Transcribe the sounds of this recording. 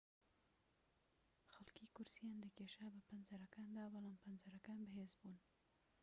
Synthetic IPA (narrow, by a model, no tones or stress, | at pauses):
xalkikʊɾsijand̪əkeʃabəpanzaɾakand̪awalampanzaɾakanbəɦezbun